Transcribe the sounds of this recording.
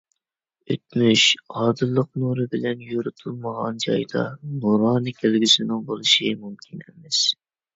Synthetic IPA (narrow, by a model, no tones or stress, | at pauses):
ø̰t̪̚myʃɑːd̪ɨlˠːəqnuɾɨbɪlɛnjoɾɨt̪ʰulˠməʁɑnd͡ʒɑ̰jd̪ɑ̰nuɾɑːnɨkʲʰelɡʲisɪnɪŋbolˠɨʃimumkʲʰinemɛs